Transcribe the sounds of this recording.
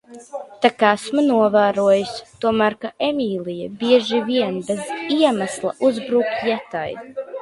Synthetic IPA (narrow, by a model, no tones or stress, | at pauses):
t̪akæsmanuɔvæːɾuɔjusʲt̪uɔmæːɾkaʔemʲiːlˠijɛbiɛʒiviɛnbeziɛmæslˠɐ̰ʔuzbɾuːkjɛt̪a̰j